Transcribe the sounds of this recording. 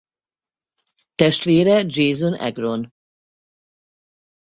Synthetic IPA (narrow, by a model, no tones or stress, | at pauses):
t̪ɛʃt̪ʋeːɾɛd͡ʒeːzonɛ̰ɡro̞n